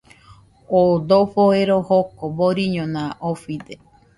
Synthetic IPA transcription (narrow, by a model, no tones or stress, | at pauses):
od̪oɸoeɾohokoboɾiɲõnãʔofid̪e